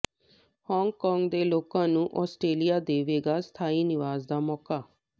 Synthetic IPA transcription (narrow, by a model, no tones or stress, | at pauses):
hɔːŋɡkɔːŋɡd̪eːloːkãːnũːʔɔːsʈɾeːlijaːd̪eːʋeːɡaːst̪ʰaːiːnɪʋaːzd̪aːmɔːkaː